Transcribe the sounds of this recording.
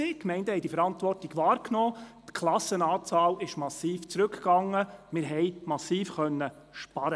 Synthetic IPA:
ɪkmɛɪndəhɛɪd̥ifəɾɑntʋɔrtiɡʋɑːɾkʰnɔːt̪kʰlɑsːənɑːt͡sɑːlɪʃmɑsiːft͡sɾɵkɡ̥ɑŋːəmɪɾɦɛɪjmɑsiːfχœnːə | ʃpɑɾə

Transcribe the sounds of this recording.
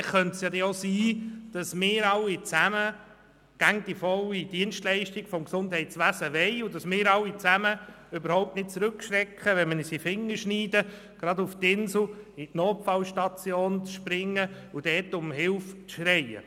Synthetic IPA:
χχœntsjɑd̪ɛosiːd̥ɑsmɪːɾɑlːit͡sæmə | ɡ̥æŋd̥ifɔlid̥iənʃtlɛɪʃtiɡfɔmksʊndhɛɪtt͡sʋæsəʋɛɪʊdɑsmɪːɾɑlːit͡sæmə | øbəɾhɔwp̚tnɪt̚t͡sɾɵkʃɾɛkχəʋɛnmənisifɪŋːəʃniːdə | ɡ̥ɾɑd̪uftɪnsl̩itnoːpfɑlʃtɑt͡sjoːnt͡sʃpɾɪŋːəud̥ɛːtʊmɦɪlft͡sʃɾɛɪə̰

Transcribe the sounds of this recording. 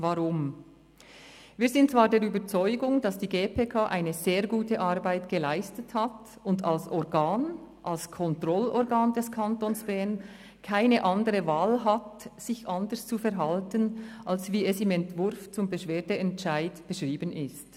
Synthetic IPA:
vaʁʊm | viːzɪnt̚t͡sv̥aːɾdeːɾyːbət͡sɔʏɡʊŋd̥ɑsd̥iːɡeːpʰeːkʰaːʔa̰ɪnəzeːɾɡuːtəʔaʁbaɪtɡ̥əlaɪstəthat | ʊndalsɔɾɡaːnʔalskʰɔntʁɔlɔɾɡaːndɛskʰantoːnsb̥ɛːnn | kʰaɪnəʔandəʁəvaːlɦatz̥ɪçandəɾst͡sufɛɾɦaltənʔalsviːɛsɪmɛntv̥ʊɾft͡sʊmbəʃv̥eːdəɛnt͡ʃaɪdb̥əʃʁ̥iːbənɪst

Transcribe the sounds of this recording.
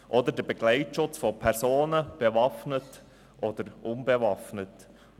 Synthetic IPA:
ʔɔd̪əɾdəbɛɡ̥lɛɪtʃʊt͡sfɔpʰɛɾsoːnəb̥evɑfnət | ʔɔd̥̪əɾʔʊnbɛvɑfnət

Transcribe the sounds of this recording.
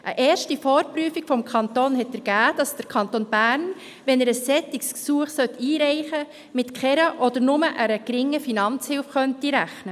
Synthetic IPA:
ʔəʔɛːɾʃtifɔːɾpryːfikfɔmkʰɑntoːnhɛtəɾɡ̥æːd̥ɑsd̥əɾkʰɑntoːnb̥æːɾn | ʋɛnɛɾəssɛtːiksksuəχsœt̪ːiːɾɛɪχə | mɪtkʰχɛɾəʔɔdəɾnʊməʔæɾəɡ̥ɾɪŋːəfinɑnt͡shɪlfχœntiɾæχnə

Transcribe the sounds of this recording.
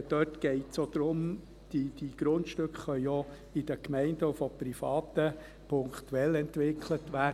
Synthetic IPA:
d̥̪œtɡ̥ɛɪtsjod̥̪ɾʊm | d̥id̥iɡ̥ɾʊntʃtøkχːœʏjo | ɪd̥̪əkmɛɪndəufɔprifɑːt̪ə | pʰʊŋkt̪uɛlɛntʋɪkʰlətʋæːə

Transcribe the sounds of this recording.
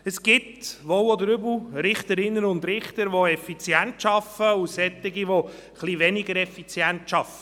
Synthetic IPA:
əsɡ̥ɪtʋɔwɔd̪əɾʏbl̩ɾɪχt̪əɾɪnːənʊnd̪ɾɪχt̪əɾʋoɛfit͡sjæntʃɑfəusɛt̪ːɪɡiʋo | χliʋɛnɪɡəɾɛfit͡sjænt̪ʃɑfə

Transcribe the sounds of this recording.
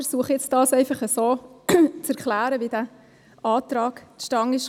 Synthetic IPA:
əɾsuəχəɪt͡std̥ɑːsɛɪfɑχəsoːt͡sæɾklæːɾəvid̥æ | ʔɑːt̪ɾɑːkt̪ʃtɑŋɪʃ

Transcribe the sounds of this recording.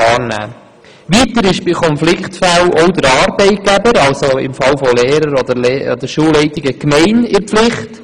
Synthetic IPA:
ɑːɾnæ̰ː | ʋiːtəɾɪʃb̥ɪkʰɔnflɪktfælʔɔwd̪əɾɑːɾbɛɪt̚ɡ̥æbəɾɑlsoɪ̰mfɑlfɔlɛːɾəɾɔd̪əɾlːɔ̰d̪əɾʃuːlːɛɪtɪɡəkmɛɪnɪrpflɪχt

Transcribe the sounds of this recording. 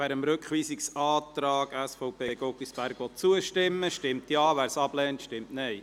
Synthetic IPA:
ʋæːɾəmɾøkχʋiːsɪksɑːtɾɑːɡæsfɔʊpʰeːɡ̥ɔkisb̥æɾɡ̥ʋɔt̚t͡suəʃtɪmːəʃtɪmtjɑːʋæːɾsɑb̥lɛːntʃtɪmtnɛɪ

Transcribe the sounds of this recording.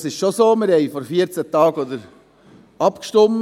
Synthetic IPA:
sɪʃʃosoːmɪɾhɛɪfɔɾfiəɾt͡sət̪ɑːɡɔd̪əɾ | ɑpkʃtʊm

